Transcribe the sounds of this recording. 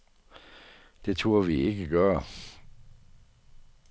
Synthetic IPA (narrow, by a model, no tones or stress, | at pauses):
d̥e̝t͡sʰuɐʋie̝ɡ̥əɡ̥ɶːɐ